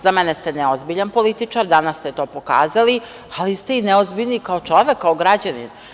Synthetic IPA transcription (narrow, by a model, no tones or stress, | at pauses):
zamɛnest̪eneozbiʎanpo̞lit̪it͡ʂaɾd̪anast̪et̪o̞ːpo̞ka̰ːzali | alist̪eineozbiʎnikao̞t͡ʂo̞ʋekːaoɡɾad͡ʑanḭn